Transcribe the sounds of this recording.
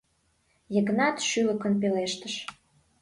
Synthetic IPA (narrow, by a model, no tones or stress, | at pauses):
jəɣnɑt̪ʃylə̆kə̆np̬eleʃt̪əʃ